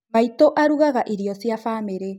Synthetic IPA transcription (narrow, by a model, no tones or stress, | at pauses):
maitoʔaɾuɣaɣaʔiɾiɔsiafaːmeɾe